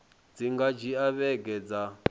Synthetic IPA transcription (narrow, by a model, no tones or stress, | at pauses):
d͡ziŋɡad͡ʒiaβɛɡɛd͡za